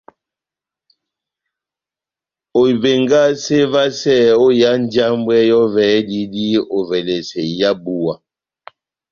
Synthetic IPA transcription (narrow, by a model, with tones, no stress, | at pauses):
o˨i˨be˨ŋɡa˦se˦va˦sɛ˦˨o˦ja˦n˦d͡ʒa˦mbwɛ˦jɔ˦vɛː˨˦di˦di˦o˨vɛ˨le˨sɛ˨ja˦bu˦wa˨